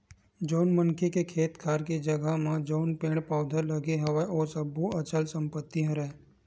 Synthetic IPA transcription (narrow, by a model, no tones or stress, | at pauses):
d͡ʒoːnmənkʰekekʰeːt̪kʰaːɾkid͡ʒəɡamãd͡ʒoːnpẽːɽpaːʊd̪ʱələɡeɦɐʋaoːsəbuɐt͡ʃəlsə̃mpət̪ːiɦə̃ɾɛː